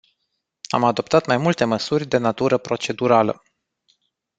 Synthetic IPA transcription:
a̰mad̪o̞pt̪at̪majmult̪e̞məsurʲd̪e̞nat̪uɾəpɾo̞t͡ʃe̞d̪uɾalə̰

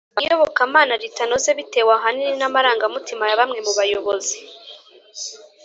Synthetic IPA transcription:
joβo̞kamaːnaɾitano̞zeβite̞ːwaɦanininamaɾaːŋɡamutimajaβamŋe̞muβajo̞βozi

